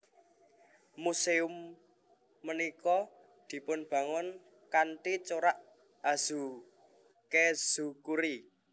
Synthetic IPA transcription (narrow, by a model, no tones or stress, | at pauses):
museʊmː | ənikɔ | d̪̥i̤pʊnb̥ä̤ŋʊn | kanʈit͡ʃoɾaʔ | az̥u | kez̥ukuɾi